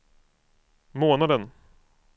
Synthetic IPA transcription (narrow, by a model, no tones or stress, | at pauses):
moːnad̪ən